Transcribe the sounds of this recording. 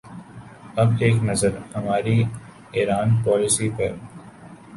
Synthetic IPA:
ɐbeːknɐzəɾhɐmaːɾi | eːɾaːnpɔːlɪsipɐ̰

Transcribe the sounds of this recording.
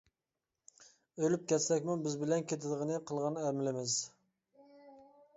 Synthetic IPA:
ølyp̚kʲʰɛsɛkʲmubɪzbɪlɛnkʲet̪ʰɪd̪əʁənɨqʰəlˠʁɑnæɾmɪlɪmɪz

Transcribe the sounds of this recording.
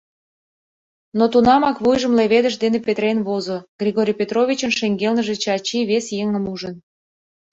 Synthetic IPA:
not̪unɑmɑkβujʒə̆mleβed̪əʃ̬d̪enepet̪ɾenβozoɡrʲiɣoɾʲijpʲet̪rovʲit͡ɕə̆nʃeŋɡelnəʒĕt͡ɕɑt͡ɕiβesjeŋə̆muʒən

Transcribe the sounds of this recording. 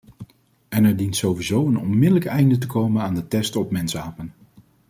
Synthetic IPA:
ɛnɛɹdintsowʋizowənɔ̰nmɪdələkɛjndət̬əkowmənaːndətɛstɔpmɛnsaːpən

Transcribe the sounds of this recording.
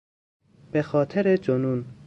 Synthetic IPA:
b̥exɒːt̪ʰeɾed͡ʒonuːn

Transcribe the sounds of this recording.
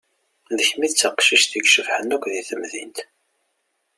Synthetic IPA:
ðəçmiðt͡sːəqʃiʃθiɡʃəvhənækʷðiθəmðḭnt̪

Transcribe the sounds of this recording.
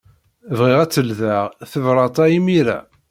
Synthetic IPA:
vʁiʁæt͡sːəlðæʁθəvɾˤɑt̪ˤɑimiɾæ̰

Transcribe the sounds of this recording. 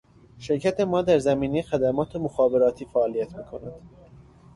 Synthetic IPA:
ʃe̞ɾcʰæt̪ʰe̞mɒːd̪æɾzæmiːnejexæd̪æmɒːt̪ʰe̞moxɒːbe̞ɾɒːt̪ʰiːfæʔːlijæt̪ʰmiːkʰo̞næd̪̥

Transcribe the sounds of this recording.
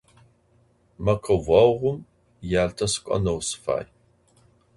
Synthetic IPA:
mɐqʰɐvaːwʁʷʊm | jaːltʰɐsɨ̥kʷʼɐ̰nɐwsɨ̥fa̰ːj

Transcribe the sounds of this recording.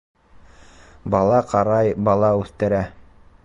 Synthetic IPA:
bɑlˠɑqɑɾɑjbɑlˠɑʉθt̪ɘ̆ɾæ

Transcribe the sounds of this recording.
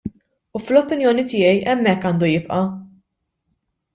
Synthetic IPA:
uflɔpɪnjɔːnit̪ɪːjɛjʔɛmːɛkːɐːnd̪ujɪpʔɐ

